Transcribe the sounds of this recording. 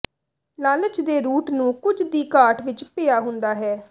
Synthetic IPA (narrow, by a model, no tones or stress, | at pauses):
laːlət͡ʃd̪eːɾuːʈnũːkʊt͡ʃd̪iːkaːʈʰʋɪt͡ʃpɪːjaːɦʊ̃nd̪aːɦɛː